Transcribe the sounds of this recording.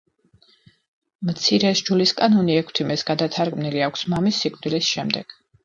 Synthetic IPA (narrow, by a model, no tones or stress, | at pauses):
mt̪sʰiɾɛʃd͡ʒuliskʼanɔniɛkʰt̪ʰimɛsɡ̥ad̪at̪ʰaɾɡmniliakʷʰsmamisːikʼvd̪ilisʃɛmd̪ɛɡ̥